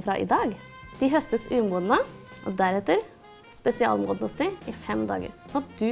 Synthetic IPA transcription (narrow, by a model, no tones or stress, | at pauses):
fɾɑ̰ʔɪ̰d̪ɑːɡ | d̪̥ɪɦœst̪əsʉːmuːd̪nəʔɔ̰d̪æɾɛt̪əɾ | spɛsɪɑ̰ːlmʊd̪nʊst̪ɪɪfɛmd̪ɑ̰ːɡə̰ɾɑd̪ʉ